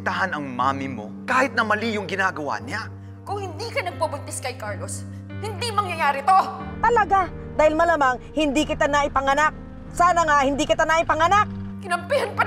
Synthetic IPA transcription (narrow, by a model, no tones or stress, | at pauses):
t̪aɦɐnɐŋma̰ːmɪmo̞̰kaːhɪt̪̚nɐmɐlijʊŋɡɪnaːɡɐwa̰ɲa | kʊŋhɪnd̪ikɐnɐɡ̚pɐbʊnt̪ɪskɐjkaɹlos | hɪnd̪imɐŋjɐjaːɾɪt̪ot̪ɐlɐɡa | d̪aːhɪlmɐlaːmaŋhɪnd̪iːkɪt̪anaʔɪpɐŋɐnak̚ | saːnɐŋahɪnd̪iːkɪt̪anɐʔɪpɐŋɐnak̚kɪnɐmpihɐnpɐ